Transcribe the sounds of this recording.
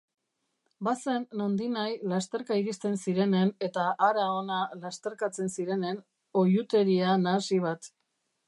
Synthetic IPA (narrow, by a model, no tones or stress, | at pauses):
base̞nːo̞nd̪inajlast̪e̞ɾkaiɾist̪e̞nsiɾe̞ne̞ne̞t̪aʔːɾao̞nalast̪e̞ɾkat͡se̞nsiɾe̞ne̞n | o̞jut̪e̞ɾianasiβ̞at̪